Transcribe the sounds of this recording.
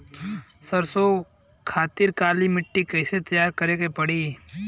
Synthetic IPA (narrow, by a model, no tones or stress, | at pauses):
səɾso | kʰaːt̪ɪɾkaːlimɪʈːikɛɪset̪ɐjaːɾkɐɾeɡepɐɽiː